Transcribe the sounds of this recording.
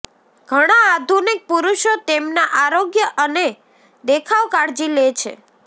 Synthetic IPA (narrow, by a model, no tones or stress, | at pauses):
ɡ̥ʱəɽ̃aad̪ʱunik̚puɾuʃot̪emnaʔaɾoɡjəʔəne | d̪ekʰaʋkaɾd͡ʒilet͡ʃʰḛ